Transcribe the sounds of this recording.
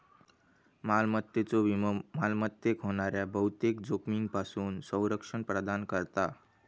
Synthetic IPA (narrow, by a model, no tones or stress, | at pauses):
malmət̪ːet͡soʋimalmət̪ːekɦoɽ̃aɾjabəwt̪ekd͡zokmiŋɡpasuːnsə̃w̃ɾəkʂəɳpɾəd̪ankəɾt̪a